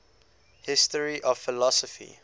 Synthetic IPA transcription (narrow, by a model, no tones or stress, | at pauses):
hɪstəɹiʔɔv̥fɪlɔsəfḭ